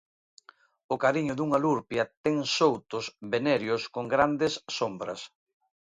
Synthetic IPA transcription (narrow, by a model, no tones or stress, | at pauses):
ʊkaɾiɲʊðuŋaluɾpjɐt̪ɛŋsowt̪ʊsβenɛɾjʊskoŋɡɾand̪ɪsːombɾɐ̰s